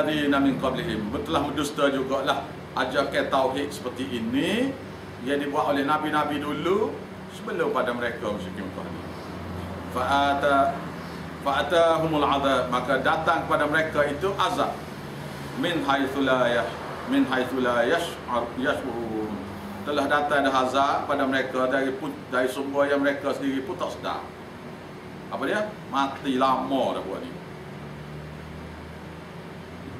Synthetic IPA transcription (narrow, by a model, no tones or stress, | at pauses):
ðinamɪnqɑbliɦɪmmət̪əlahmədust̪ad͡ʒuɡaʔlah | ʔad͡ʒaʔkat̪ːawɦiʔ̪̚sə̥pərt̪iʔini | jadibuaʔ̪olɛhnabinabidulu | səbəlʊəpadaməɾekamaʃikimt̪a̰hnḭ | faʔat̪a | faat̪aɦumalʕaðamakadat̪aŋkəpadaməɾekait̪uʔazaʔ | mɪnɦajθulaja | mɪnɦajθulajaʃ | jaʃuɾuum | t̪əlahdat̪aŋdaɦazaʔkəpadaməɾekadaɾipudaɾisəmuajaŋməɾekasəndiɾiput̪ɔʔsəda̰r | ʔapadia | mat̪ilamɔda̰bua̰ʔnḭ